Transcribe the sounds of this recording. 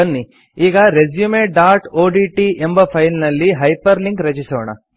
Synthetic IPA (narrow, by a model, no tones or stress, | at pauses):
ɐnːi | iːɡɐɾed͡ʒjumeːɖaːɾʈoːɖiʈiʔembɐpʰɐjlnɐlːiɦɐjpɐɾliŋkɾɐt͡ʃisoːɳɐ̰